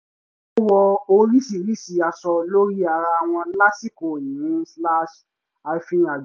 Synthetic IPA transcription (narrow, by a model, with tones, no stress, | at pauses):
o˦wɔ˧o˧ɾi˦si˨ɾi˦si˨a˧sɔ˧lo˦ɾi˦a˧ɾa˧w̃ɔ̃˧la˦si˦˨ko˨ĩ˨ĩ˦sla˦ʃ | a˧fĩ˧na˨d͡ʒ